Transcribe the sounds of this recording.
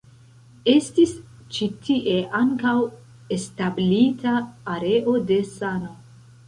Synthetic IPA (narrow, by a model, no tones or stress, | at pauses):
e̞stis | t͡ʃitʰiʔe̞ʔaŋkaw | establitaːɾe̞ʔo̞de̞sano